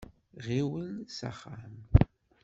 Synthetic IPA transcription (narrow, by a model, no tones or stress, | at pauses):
ʁiwəlsa̰χːam